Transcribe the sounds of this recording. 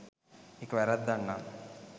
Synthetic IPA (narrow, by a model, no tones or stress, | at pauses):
ekːəʋæɾat̪̚d̪anːa